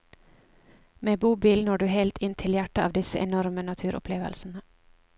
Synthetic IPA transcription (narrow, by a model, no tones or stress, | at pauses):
meːbuːbiːlnoːɖʉːhɛlt̪ʰɪnt̪ʰɪljæʈəɑːʋd̪ɪsəʔɛnɔɾmənɑt̪ʰʉːɾʔʊ̰pʰleːʋə̰lsn̩ə